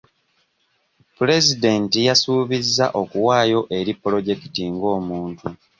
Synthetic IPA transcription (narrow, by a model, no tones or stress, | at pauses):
pule̞zide̞ntijasuːβizːa̰ʔo̞kuwaːjo̞ʔe̞ɾipːlo̞ɟe̞ki̥tiŋɡo̞ːmuːntu